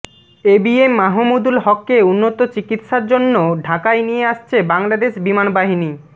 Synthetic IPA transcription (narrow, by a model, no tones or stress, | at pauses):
ebiemːaɦomud̪ulɦɔkːeunːot̪ot͡ɕikit̪ʃaɾd͡ʑonːoɖʱakajnijeaʃt͡ɕʰebaŋlad̪eʃbimanbaɦini